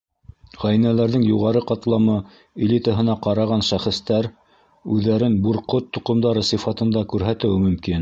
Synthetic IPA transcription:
ʁæjnælæɾðɘŋjuʁɑɾɤqɑt̪lˠɑmɤ | ɪlʲit̪əɦɤ̆nɑqɑɾɑʁɑnʃæχɘ̆st̪æɾ | ʉðːæɾɘnbuɾqot̪ːŏqɤ̆md̪ɑɾɤsɤfɑt̪ɤ̆nd̪ɑkʉɾɦæt̪ɘ̆wɘmɵ̆mkin

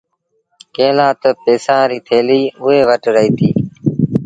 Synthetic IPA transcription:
kẽːlãːt̪əpeːsãːɾiːt̪ʰeːliːʊɦeːʋəʈɾəɦiːt̪ʰiː

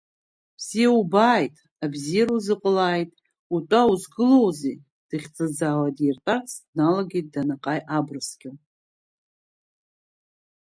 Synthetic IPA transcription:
bz̥ijaubaːjtʼ | abzijaɾuzɨqʼəlaːjtʼ | utʷʼauzɡɨlowzi | d̥ɨχʲt͡sʼɨd͡zaːwadirtʼarsnalaɡʲejt̚ʼdanaqʼajʔabrɨsɡʲʼɪ

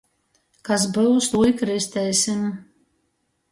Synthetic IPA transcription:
kas̬bɨwst̪ujkɾɨst̪ɛjsʲɪm

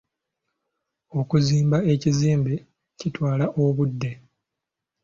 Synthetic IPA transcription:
o̞kuziːmbae̞ciziːmbe | citwaːlaʔoβudːe̞

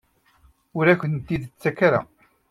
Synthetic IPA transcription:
ʊɾæçənt̪ːiðt͡sːækaɾa̰

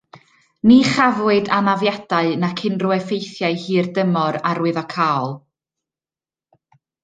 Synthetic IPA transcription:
niχavwɨɨdanavjadaɨnakʰɪnruɛfejθjaɨhiːrdəmɔɾaɾwɨðɔkʰaːɔlˠ

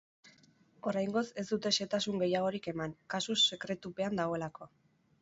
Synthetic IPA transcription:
o̞ɾajŋɡo̞se̞zd̪ut̪e̞se̞t̪asuŋɡe̞jaɣ̞o̞ɾike̞maŋkasuse̞kɾe̞t̪upe̞and̪aɣ̞o̞e̞lakʰo̞

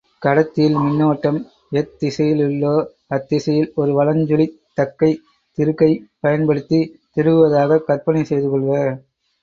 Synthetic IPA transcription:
kɐɽɐt̪ːɪjɪlmɪnːoːʈːɐm | ɛt̪ːɪsɐjɪlɪlːoː | ɐt̪ːɪsɐjɪlɔɾɯʋɐlɐɲd͡ʒʊɭɪt̪ːɐkːɐɪ | t̪ɪɾɯkːɐɪpɐjɐnpɐɽɯt̪ːit̪ɪɾɯʋɯʋɐðaːɣɐkɐrpɐnɪsɛjðɯkɔɭɣɐ

